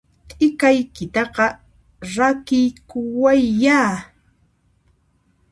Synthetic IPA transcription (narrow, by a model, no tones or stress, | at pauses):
t̪ʼɪkajkɪt̪ɑqɑ | ɾakɪjkʊwajːaː